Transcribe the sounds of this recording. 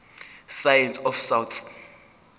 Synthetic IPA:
sajɛnsɔfsawt̪ʰ

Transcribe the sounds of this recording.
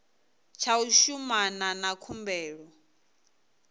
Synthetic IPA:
t͡ʃʰauʃumananakʰumbɛːɺɔ

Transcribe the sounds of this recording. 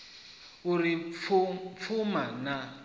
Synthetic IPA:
uɾi | p̪fʰumana

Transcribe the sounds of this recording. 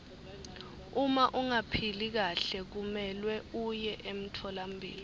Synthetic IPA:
umaʔuŋapʰilik̬aɬɛk̬umɛlwɛujɛʔem̩tʰɔlam̩bʱḭːli

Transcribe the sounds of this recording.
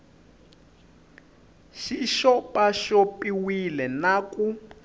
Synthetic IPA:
ʃiʃɔpʼaʃɔpiwilɛnaku

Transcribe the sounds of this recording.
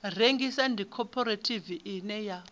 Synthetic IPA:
r̤eŋɡisɛndʱikʰɔpʰɔɾetʰʼiviʔinɛja

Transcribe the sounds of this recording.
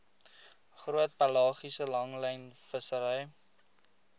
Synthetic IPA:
χruət̚pɐlɑːχisəlɐŋlɛjnfəsəɾəj

